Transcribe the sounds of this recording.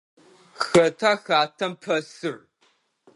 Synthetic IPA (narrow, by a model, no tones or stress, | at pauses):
xɐtʰaxaːtʰɐmpʰɐsɨr